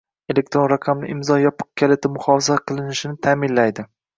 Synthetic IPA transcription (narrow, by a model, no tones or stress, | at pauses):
e̞le̞k̚t̪ɾo̞nɾaqʰɑmlɪ̰ʔɪmzɒjɒpʰɨ̥q̚kʲʰalˠet̪ʰɪmʊχɒfɪzaqʰɨlˠɪnɪʃɪnɪt̪ʰaːmɪnlajd̪ɪ